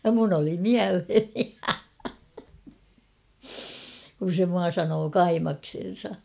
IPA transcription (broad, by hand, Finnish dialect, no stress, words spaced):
jɑ mun oli miælheni kun̞ se muɑ sɑnoː kɑimɑksen̞sɑ